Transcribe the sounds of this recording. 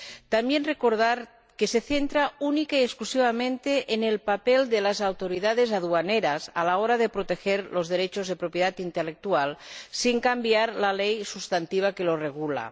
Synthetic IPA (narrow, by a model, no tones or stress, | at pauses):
t̪ambjenrekoɾð̞aɾ | keseθent̪ɾaunikaiesklusiβamẽnt̪eʔːnelpapeld̪elazawt̪oɾiðað̞ezaðuaneɾasa̰laoɾaðepɾot̪exeɾlo̞zðeɾet͡ʃo̞zð̞e̞pɾopjeðat̪int̪elek̚t̪ualsiŋkambjaɾlalejsust̪ant̪iβ̞akelo̞reɣula̰